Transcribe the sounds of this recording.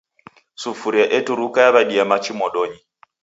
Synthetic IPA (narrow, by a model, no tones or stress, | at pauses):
sufuɾiaʔɛtuɾukajaβaɗiamat͡ʃimɔɗɔɲi